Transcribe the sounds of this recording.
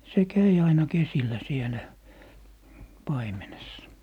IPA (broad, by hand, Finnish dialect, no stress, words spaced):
se kæi ɑinɑ kesilːæ sielæ pɑimenesːɑ